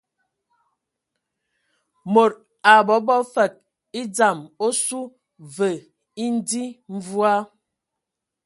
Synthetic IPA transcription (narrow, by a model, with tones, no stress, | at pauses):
mo˨ɾ̚ | a˨bɔ˨˦bɔ˦fɛ˨k̚ | i˦d͡za˨mo˦su˦ | və˨ | i˦n̩˦di˦ɱ̩˦vu˦a˦